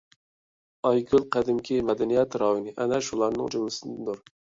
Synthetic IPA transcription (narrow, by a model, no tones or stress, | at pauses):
ɑjɡʰʲylˠqʰæd̪ɪmkʲʰimɛd̪ɛnijɛt̪ɾɑːjinɨʔɛnɛʃulˠɑɾnɨ̰ŋd͡ʒumlɨsɨnd̪d̪uɾ